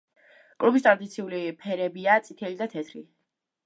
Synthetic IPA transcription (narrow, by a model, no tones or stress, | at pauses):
kʼlubist̪ʼɾad̪it̪sʰiulipʰɛɾɛbiat̪sʼit̪ʰɛlid̪at̪ʰɛt̪ʰɾi